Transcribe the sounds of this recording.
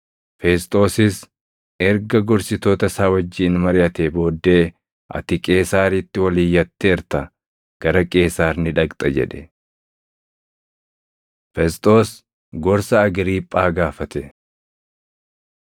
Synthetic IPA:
fɛst̪ʼo̞ːsɪs | ɛɾɡɐɡɔɾsɪt̪o̞ːt̪ɐsaːwɐd͡ʒːiːnmɐɾɪʔɐt̪eːbo̞ːd̪ːe̞ː | ʔɐ̰t̪ɪkʼe̞ːsaːɾɪt̪ːɪwɐliːjːɐt̪ːeːɾt̪ɐ | ɡ̥ɐɾɐkʼe̞ːsaːɾnɪᶑɐkt̪ʼɐd͡ʒɛ̰ᶑɛ | fɛst̪ʼo̞ːs | ɡɔɾsɐːɡɾiːpʼːaːɡaːfɐt̪ɛ

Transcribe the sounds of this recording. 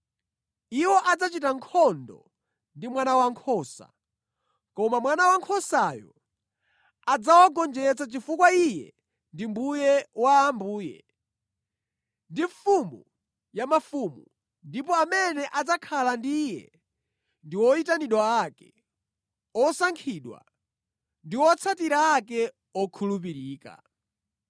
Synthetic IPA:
iwɔʔad͡zat͡ʃitaŋkʰɔndɔ̰ | ndimwanawaŋkʰɔːsa̰ | kɔmamwanawaŋkʰɔsajɔ̰ | ad͡zawaɡɔnd͡ʒɛt͡sat͡ʃifukwaijɛ̰ | ndimbujɛwaːmbuːjɛ̰ | ndiɱfumu | jamafumu | ndipɔamɛnɛʔad͡zakʰalandijɛ̰ | ndiwɔitaniɗwaakɛ̥ | ɔsaŋkʰiɗwa̰ | ndiwɔt͡sʰatiɾaːkɛ | ɔkʰulup̬iɾiːka̰

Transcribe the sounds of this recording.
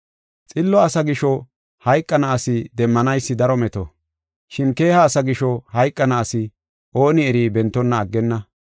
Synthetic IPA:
t͡sʼɪlːɔɐsɐɡɪʃɔ | hɐjkʼːɐnɐːsɪd̪ɛmːɐnɐjsːɪd̪ɐɾɔmɛt̪ɔ | ʃɪnke̞ːhɐːsɐɡɪʃɔhɐjkʼːɐnɐːsɪ | ʔo̞ːnɪɛɾiːbɛnt̪ːɔnːɐːɡːɛnːɐ

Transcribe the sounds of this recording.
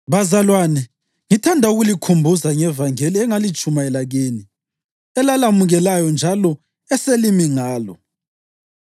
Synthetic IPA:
βazalwanɛ | ŋitʰandʱauɣulikʰumbʱuzaŋɛvaŋeliɛŋalit͡ʃʼumaɛlaɣeːni | ɛlalamuɣɛlajɔnd͡ʒʱalɔ | ɛselimiŋaːlɔ

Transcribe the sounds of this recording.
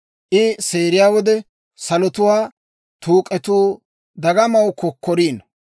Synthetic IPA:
ʔɪseːɾɪjaːwɔd̪ɛ | sɐlɔt̪ʊwaː | t̪uːkʼɛt̪uː | d̪ɐɡɐmɐwkɔkːɔɾiːn

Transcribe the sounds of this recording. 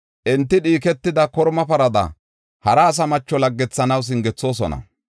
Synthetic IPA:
ʔɛnt̪ːɪɗiːk̬ɛt̪ːɪd̪ɐkɔɾmɐpɐɾɐd̪ɐ̰ | hɐɾɐːs̬ɐmɐt͡ʃːɔlɐɡːɛt͡sːɐnɐws̬ɪŋɡɛt͡sːo̞ːs̬ɔ̰nɐ̰

